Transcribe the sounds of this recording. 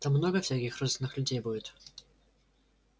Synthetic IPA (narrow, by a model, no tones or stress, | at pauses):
t̪amːnɔɡɐfsʲakʲixrɔzʲvʲɪnːɨxlʲʊd͡zʲejbudʲɪt̪